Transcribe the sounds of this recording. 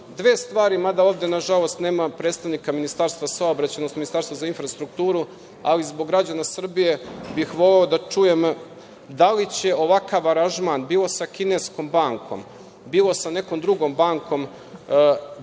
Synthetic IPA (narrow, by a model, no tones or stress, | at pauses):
d̪ʋe̞ːst̪ʋaːɾimad̪aoːʋvd̪enaʒalˠo̞st̪ne̞ːmapɾeːt̪st̪aʋnikaminist̪aːɾst̪ʋasaobɾat͡ɕanost̪minist̪aːɾst̪vazainfɾast̪ɾuk̚t̪uːɾu | a̰lizbo̞ɡːɾad͡ʑanasr̩bije̞bixʋo̞leod̪at͡ʂuje̞m | d̪alit͡ɕe̞o̞ʋakaʋaɾaʒmanbiːlo̞sakinesko̞mbaːŋkʰo̞̰m | biːlo̞sane̞ko̞md̪ɾuɡo̞mbaːŋko̞m